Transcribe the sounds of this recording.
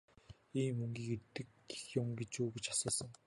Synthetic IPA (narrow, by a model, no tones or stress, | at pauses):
iːmːɵŋɡʲiːkert̪ɘ̆k | ɡe̥xjʊmɡet͡ɕuːɡet͡ɕḁsɔːsə̆ŋ